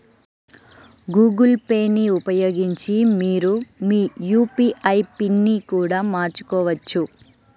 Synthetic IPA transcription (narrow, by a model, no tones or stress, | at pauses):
ɡuːɡulpe̞ːnːiupɐjoːɡiɲt͡ʃimiːɾumiːjuːpiʔɐjpinːikuːɽaːmaːɾt͡ʃu̥kɔːʋɐt͡ʃːu